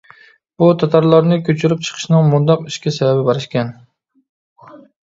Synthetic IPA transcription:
b̥ut̪ʰɑt̪ʰɑɾlˠɑɾnɪkʲʰøt͡ʃʰyɾɪp̚t͡ʃʰə̥qʰə̥ʃnɨŋmʊnd̪ɑqiʃkʲɛsɛbæbɪbɑɾɪʃkʲɛn

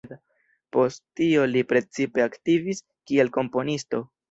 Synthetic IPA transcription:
da | po̞sttːio̞lipɾe̞t͡sipe̞aktivis | kie̞lko̞mpo̞nisto̞

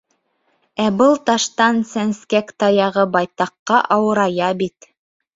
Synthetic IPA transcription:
æbɤlˠt̪ɑʃt̪ɑnsænskækt̪ɑjɑʁɤbɑjt̪ɑqːɑʔɑwɤ̆ɾɑjɑbit̪

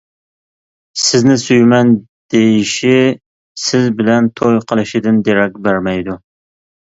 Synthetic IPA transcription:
sɪznɪsyjmɛn | d̪̥ejiʃi | sɪzbɪlɛnt̪ʰojqʰəlˠɨʃid̪ɪnd̪eɾɛk̚ʲbæɾmɛjd̪u

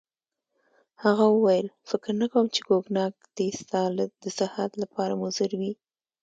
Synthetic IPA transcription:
haɣawəwajəlfɪkɾnakawəmt͡ʃeɡoɡnɑɡ̚d̪̥est̪ɑld̪əsɪhat̪lapʰɑɾamʊzɪɾwi

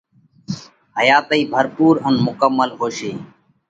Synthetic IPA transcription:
ɦəjaːt̪əiːbʱəɾpuːɾənmʊkəmːəlɦoːʃiː

